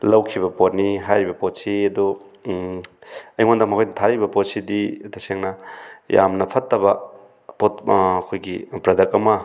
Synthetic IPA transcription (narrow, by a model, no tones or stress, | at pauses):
lɐwkʰiβɐpot̚niɦajɾibɐpot̚siɐdu | ɐjŋondɐkmɐkʰojnɐtʰaɾibɐpot̚sididɐseŋnɐja̰mnɐpʰɐtːɐbɐ | potːkʰojɡipɾɐdɐkɐmɐ